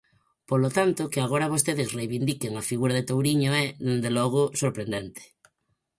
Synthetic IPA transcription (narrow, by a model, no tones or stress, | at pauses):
polot̪ant̪okeaɣ̞oɾaβ̞ost̪eðesrejβind̪ikeŋafiɣuɾaðet̪owɾiɲoɛðend̪elɔɣ̞osoɾpɾend̪ent̪e̥